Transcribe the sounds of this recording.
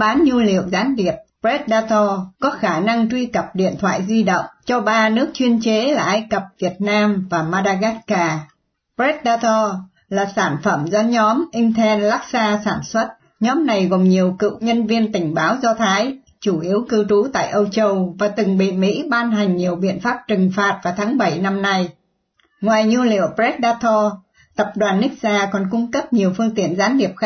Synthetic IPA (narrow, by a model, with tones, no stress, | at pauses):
ɓaː˨˦nɲu˧lḭ˧˨əwzaː˨˦nɗi˨˩əp̚pɹɛ˦˥t̚ɗaː˧t̪ɔ˧kɔ˨˦xaː˧˩na˧ŋt͡ɕwi˧kə˨˩p̚ɗḭ˧˨ənt̪ʰwa̰ː˧˨jzwi˧ɗə̰˧˨wŋ͡mt͡ɕɔ˧ɓaː˧nɨ˦˥ək̚t͡ɕwi˧ənt͡ɕe˨˦laː˨˩ʔaː˧jkə˨˩p̚vi˨˩ət̚naː˧mvaː˨˩maː˧ɗaː˧ɣa˦˥t̚kaː˧ | pɹɛ˦˥t̚ɗaː˧t̪ɔ˧ | laː˨˩saː˧˩nfə˧˩mzɔ˧ɲɔ˨˦mʔï˧ŋ̟t̪ʰɛ˧nla˦˥k̚saː˧saː˧˩nswə˦˥t̚ | ɲɔ˨˦mna˨˩jɣo˨˩mɲi˨˩əwkɨ̰˧˨wɲə˧nvi˧ənt̪ï˧˩ŋ̟ɓaː˨˦wzɔ˧t̪ʰaː˨˦j | t͡ɕu˧˩ʔi˨˦əwkɨ˧t͡ɕu˨˦t̪a̰ː˧˨jʔə˧wt͡ɕə˧wvaː˨˩t̪ɨ˨˩ŋɓḭ˧˨mḭ˧˥ɓaː˧nɦa˨˩jŋ̟ɲi˨˩əwɓḭ˧˨ənfaː˦˥p̚t͡ɕɨ˨˩ŋfaː˨˩t̚vaː˨˩wt̪ʰaː˨˦ŋɓə˧˩jna˧mna˧j | ŋwaː˨˩jɲu˧lḭ˧˨əwpzɛ˦˥t̚ɗaː˧t̪ʰɔ˧ | t̪ə˨˩p̚ɗwaː˨˩nːï˦˥k̚zaː˧kɔ˨˩nkʊ˧ŋ͡mkə˦˥p̚ɲi˨˩əwfɨ˧əŋt̪ḭ˧˩˨ənzaː˨˦nhi˨˩əp̚x